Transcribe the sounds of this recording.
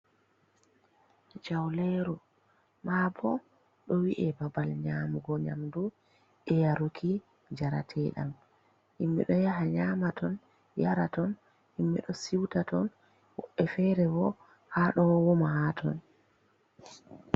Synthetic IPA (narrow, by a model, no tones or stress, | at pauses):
d͡ʒawlɛɾu | mabɔ | ɗɔwiʔɛbabalɲamuɡɔɲa̰mdu | ʔɛjaɾukʰi | d͡ʒaɾa̰tʰɛɗa̰m | ʔimːɛ̰ɗɔjaɦaɲamatʰɔn | jaɾatɔn | ʔimːɛ̰ɗɔsiwtatɔn | wɔʔɛfɛɾɛbɔ | haɗɔwɔmahatʰɔ̰n